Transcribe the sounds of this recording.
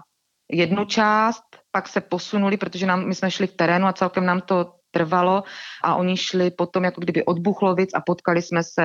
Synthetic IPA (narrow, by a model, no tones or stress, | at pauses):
jɛdnut͡ʃaːst̪̚paksɛpo̞sunulɪpɾot̪oʒɛnaːmmɪsmɛʃlɪkt̪ɛɾɛːnuat͡sɛlkɛmnaːmt̪o̞t̪r̩valo̞ʔaʔo̞ɲɪʃlɪpo̞t̪omjakoɡdɪbɪʔo̞d̪̚buxlovɪt͡sa̰po̞t̪kalɪsmɛsɛ